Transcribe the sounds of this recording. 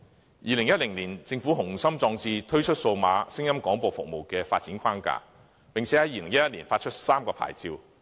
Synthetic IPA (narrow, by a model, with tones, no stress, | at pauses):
jiː˧lɪ˨˩ŋjɐ˥t̚lɪ˨˩ŋliː˨˩nt͡sɪ˧ŋfuː˨˥ɦʊ˨˩ŋsɐ˥mt͡sɔː˧ŋt͡siː˧t̪ʰɵ˥ɥt͡ʃʰɵ˥t̚so˧wmaː˨˧sɪ˥ŋjɐ˥mkɔː˨˥ŋpo˨˧wfʊ̰˨k̚mo˨wkɛː˧faː˧t̚t͡siː˨˥nkʷʰaː˥nka̰ː˧ | pɪ˨ŋt͡sʰɛ˨˥hɐ˨˥jiː˧lɪ˨˩ŋjɐ˥jɐ˥t̚liː˨˩nfaː˧t̚t͡ʃʰɵ˥t̚saː˥mkɔː˧pʰa̰ː˨˩jt͡siː˧w